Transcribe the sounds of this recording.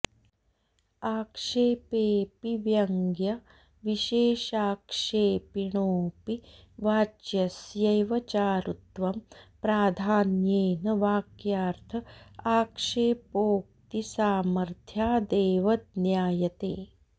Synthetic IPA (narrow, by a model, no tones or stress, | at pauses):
aːkʂeːpeːpiʋjɐŋɡjɐ | ʋiʃeːʃaːkʂeːpiɳoːpiʋaːd͡ʒjɐsjɐjʋɐt͡ʃaːɾut̪ʋɐmpɾaːd̪ʱaːnjeːnɐʋaːkjaːɾt̪ʰɐaːkʂeːpoːk̚t̪isaːmɐɾt̪ʰjaːd̪eːʋɐd̪̚njaːjɐt̪eː